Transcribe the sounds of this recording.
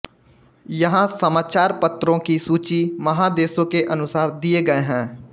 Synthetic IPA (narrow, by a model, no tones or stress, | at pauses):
jɐɦãsɐmaːt͡ʃaːɾpɐt̪ɾõkisuːt͡ʃimɐɦãd̪eːsõkeʔɐnʊsaːɾd̪ieɡɐeɦɛ̃ː